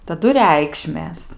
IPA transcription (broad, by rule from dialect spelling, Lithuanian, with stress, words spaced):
tɐˈdʊ ˈrʲɛɪkʃʲmʲeːs